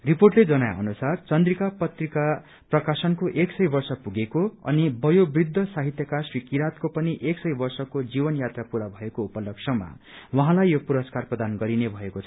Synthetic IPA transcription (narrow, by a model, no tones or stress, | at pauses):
riporʈled͡zʌnaja̰ʌ̰nusart͡sʌnd̪rikapʌt̪rika | prʌkasʌnkoʔeksʌjbʌrsʌpuɡekoʌ̰nibʌjobrid̪ʱːʌsaɦit̪jʌkasrikiɾat̪kopʌniʔeksʌjbʌrsʌkod͡zibʌnjat̪rapuɾabʱʌekoupʌlʌksʌma̰ | wʌɦãlajːopuɾʌskarprʌd̪anɡʌɾinebʱʌekot͡sʰʌʌ